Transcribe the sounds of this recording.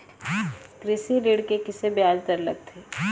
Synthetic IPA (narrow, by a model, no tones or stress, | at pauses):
kɾɪsiɾiɽkekɪsebjaːd͡ʒt̪əɾlɐ̰ɡ̚t̪ʰeː